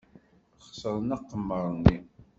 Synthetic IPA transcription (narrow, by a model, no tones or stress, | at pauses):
χsəɾˤənɑqːəmːəɾˤnːi